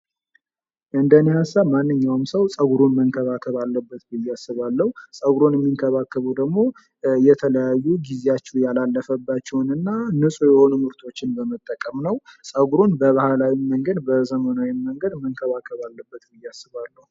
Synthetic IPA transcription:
ɨnd̪ənihasːamanːɨɲːawmsəwsʼəɡuɾunməŋkʰəβakʰəβalːəbːət̪bɨjːasːɨβalːəhusʼəɡuɾonjɛmːiŋkʰəβakːəβud̪əɡmo̞ | jɛt̪ʰələjajːuɡizejat͡ʃːɛjalalːəfəbːat͡ʃːɛwnɨnːanɨsʼujɛho̞numɨɾt̪ʰo̞t͡ʃːɪnbəmət̪ʼːəkʼəmnəwsʼəɡuɾonbəβahalawiməŋɡəd̪bəzəmənawiːəŋɡəd̪məŋkʰəβakʰəβalːəbːət̪bɨjːasːɨβalːəhu

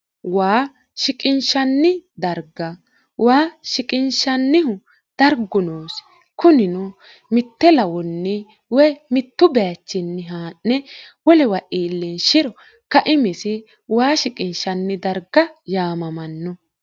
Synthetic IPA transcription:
waː | ʃɪkʼɪnʃɐnːɪd̪ɐɾɡɐ | waːʃɪkʼɪnʃɐnːɪhʊ | d̪̥ɐɾɡʊnoːs | kʊnɪnɔ | mɪt̪ːɛlɐwɔnːɪ | wɛmɪt̪ːʊbɛjɐt͡ʃːɪnːɪɦaːnːɛwɔlɛwɐʔiːlːɛnʃɪɾɔ | kɐʔɪmɪsɪ | waːʃɪkʼɪnʃɐnːɪd̪ɐɾɡɐjaːmɐmɐnːɔ

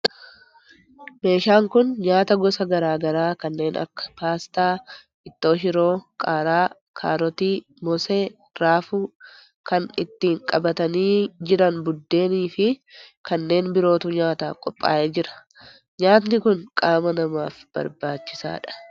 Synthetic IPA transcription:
me̞ːʃaːŋkʊnɲaːt̪ɐɡɔsɐɡɐɾaːɡɐɾaːkɐnːe̞ːnʔɐ̰kːɐ̥paːst̪aː | ʔɪt̪ːo̞ːʃ̬ɪɾo̞ːkʼaːɾaː | kʰaːɾɔt̪iː | mɔseː | ɾaːfuː | kɐnɪt̪ːɪɪŋkʼɐbɐt̪ɐniːd͡ʒɪɾɐnbʊd̪ːe̞ːniːfɪkɐnːe̞ːnbɪɾo̞ːt̪ʊɲaːt̪aːkʼɔpʼːa̰ːʔeːd͡ʒɪɾɐ̥ | ɲaːt̪̬nɪkʊnkʼaːmɐnɐmaːfb̥ɐ̰ɾbaːt͡ʃːɪsa̰ːᶑɐ̥

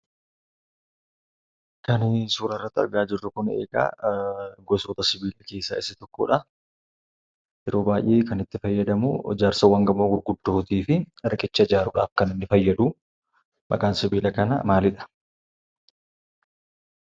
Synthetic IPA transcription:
kɐnsuːɾɐrːɐt̪ːɪɐ̰ɾɡaːd͡ʒɪrːʊkʊnḛːɡa̰ː | ɡɔsoːt̪ɐsɪbiːlɐke̞ːsːa̰ːɪsɐt̪ɔkːo̰ːᶑɐ | jɛɾoːbaːjʔeːkɐnɪt̪ːɪfɐjːɐd̪ɐmṵd͡ʒaːɾsɐwɐŋɡɐmːoːɡʊɾɡʊd̪ːoːt̪iːfɪɾkʼɪt͡ʃːɐd͡ʒaːɾʊᶑa̰ːfkɐnɪnːɪfɐjːɐd̪uː | mɐ̰kʼaːnsɪbiːlɐkɐnɐ̰maːlɪᶑɐ̥

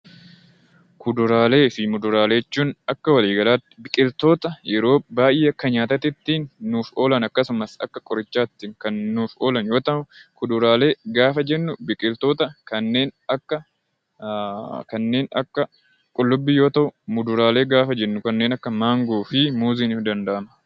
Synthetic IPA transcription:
kʊd̪ʊɾaːle̞ːfɪmʊd̪ʊɾaːleɛt͡ʃːuːnɐkːɐwɐliːɡɐlaːt̪ːɪ̥bɪkʼɪlt̪o̞ːt̪ɐjɛɾo̞ːbaːjʔeːɐkːɐɲaːt̪ɐt̪ɪt̪ːiːnːuːfo̞ːlɐnɐkːɐsʊmɐsɐ̰kːɐkʼɔɾɪt͡ʃːaːt̪ːɪːŋkɐnːuːfo̞ːlɐnjo̞ːt̪ɐʔʊkʊd̪ʊɾaːle̞ːɡaːfɐd͡ʒɛnːʊbɪkʼɪlt̪o̞ːt̪ɐkɐnːe̞ːnɐkːɐ | kɐnːe̞ːnɐ̰kːɐ | kʼʊlːʊbːɪjo̞ːt̪ɐʔʊmʊd̪ʊɾaːle̞ːɡaːfɐd͡ʒɛnːʊkɐnːe̞ːnɐkːɐmaːŋɡuːfɪmuːziːnɪfd̪ɐnd̪ɐʔɐmɐ

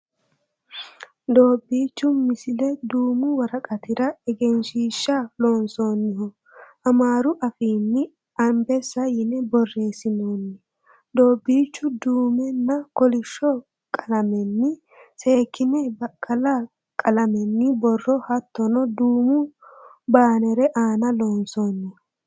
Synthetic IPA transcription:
d̪o̞ːbːiːt͡ʃːʊmɪsɪlɛd̪uːmʊwɐɾɐkʼɐt̪ɪɾɐɛɡɛnʃiːʃːalo̞ːnso̞ːnːɪhɔ | ʔɐmaːɾʊʔɐfiːnːɪ | ɐmbɛsɐjɪnɛbɔrːe̞ːsɪnoːnːɪ | d̪oːbːiːt͡ʃːʊd̪uːmɛnːɐkɔlɪʃːɔ | kʼɐlɐmɛnːɪ | se̞ːkːɪnɛbɐkʰʼːɐlɐ | kʼɐlɐmɛnːɪbɔrːɔhɐt̪ːɔnɔd̪uːmʊbaːnɛɾɛʔaːnɐlo̞ːnso̞ːnːɪhɔ

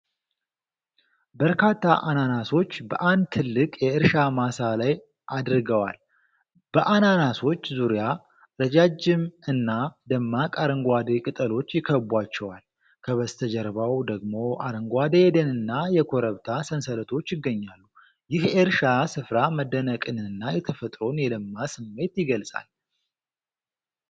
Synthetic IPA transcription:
bəɾkʰat̪ʰːa̰ʔananaso̞t͡ʃːbə̰ʔand̪̚t̪ʰɨlːɨkʼjɛɪɾʃamasalaj | ʔad̪ɾɨɡəwa̰l | b̥əʔananaso̞t͡ʃːzuɾija | ɾəd͡ʒad͡ʒɪmɨnːad̪əmːakʼaɾəŋɡʷad̪ekʼɨt̪ʼəlo̞t͡ʃːjɪkʰːəbʷat͡ʃːɛwal | kʰəβəst̪ʰəd͡ʒəɾβawd̪əɡmo̞ʔaɾəŋɡʷad̪ejɛd̪ənɨnːajɛkʰoɾəβt̪ʰasənsələt̪ʰo̞t͡ʃːjɪɡːəɲːalːu | jɪheɾʃasɨfɾaməd̪ːənəkʼɨnɨnɨnːajɛt̪ʰəfət̪ʼɾo̞njɛləmːasɨmːe̞t̪jɪɡəlsʼa̰l

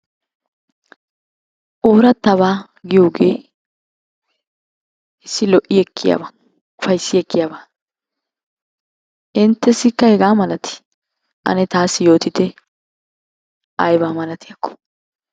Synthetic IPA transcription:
ʔoːɾɐt̪ːɐβaː | ɡɪjuːɡḛː | ɪsːɪlɔʔɪjɛkʰːɪja̰ba | fɐjsːɪɛkːɪjabaː | ʔɪnt̪ːɛsɪkːɐhɛɡaːmɐlɐt̪ɪ̥ | ʔɐ̰nɛt̪aːsːɪjo̞ːt̪ɪt̪ɛ | ʔɐjbaːmɐlɐt̪ɪjɐkːɔ̥

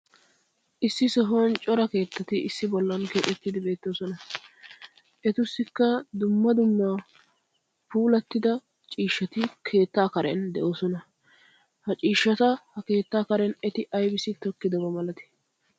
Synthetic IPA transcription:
ʔɪsːɪsɔɦont͡ʃʼɔɾɐke̞ːt̪ːɐt̪ɪɪsːɪbɔlːɐnkeːt̪ʼɛt̪ːɪd̪ɪbe̞ːt̪ːo̞ːsɔnɐ | ʔɛt̪ʊsːɪkːɐd̪ʊmːɐd̪ʊmːaː | puːlɐt̪ːɪd̪ɐ | t͡ʃʼiːʃːɐt̪ɪkʰe̞ːt̪ːaːkɐɾɛ̰nd̪ɛʔo̞ːsɔnɐ | hɐt͡ʃʼiːʃːɐt̪ɐhɐke̞ːt̪ːaːkɐɾɛnɛt̪ɪʔɐjbɪsɪt̪ɔkːɪd̪ɔbɐmɐlɐt̪ɪ̥

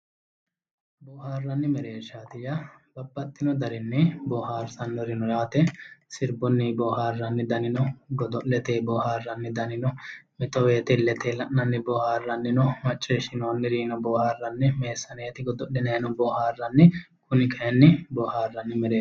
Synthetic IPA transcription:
bɔːhaːrːɐnːɪmɛɾe̞ːʃːaːt̪ɪjɐbɐbːɐt̪ːɪnɔd̪ɐɾɪnːɪbɔːhaːɾsɐnːɔɾɪnɔɾaːt̪ɛsɪɾbɔnːɪbɔːhaːrːɐnːɪd̪ɐnɪnɔɡɔd̪ɔʔlɛt̪eːbɔːhaːrːɐnːɪd̪ɐnɪnɔmɛt̪ɔweːt̪ɛlɛt̪eːlɐʔnɐnːɪbɔːhaːrːɐnːɪnɔmɐt͡ʃʼːɛʃɪnoːnːɪɾiːnɔbɔːhaːrːɐnːɪmeːsːɐneːt̪ɪɡɔd̪ɔʔɪnenɔbɔːhaːrːɐnːɪ | kʊnɪkɐɛnːɪbɔhaːrːɐnːɪmɛɾeː

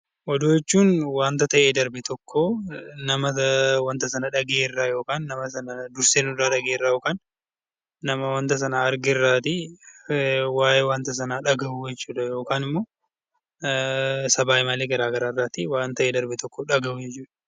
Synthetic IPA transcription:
ʔɔd̪oːjɛt͡ʃːuːnwaːnt̪ɐt̪ɐʔeːd̪ɐɾbɛt̪ɔkʰːoːnɐmɐwɐnt̪ɐsɐnɐᶑɐɡeːrːaːjo̞ːkaːnːɐmɐsɐnɐd̪ʊɾseːnʊdaːᶑɐɡeːɪrːaːjo̞ːkaːnː | ɐmɐwɐnt̪ɐs̬ɐnɐɐɾɡɪrːaːt̪ɪ | waːjewaːnt̪ɐs̬ɐnaːᶑɐɡɐʔuːjɛt͡ʃːuːᶑɐjo̞ːkaːnɪmːo̞ː | sɐbaːʔɪmaːleːɡɐɾaːɡɐɾaːɪrːaːt̪ɪwaːnt̪ɐʔeːd̪ɐɾbɛt̪ɔkːoᶑɐɡɐʔʊjɛt͡ʃːuːᶑɐ

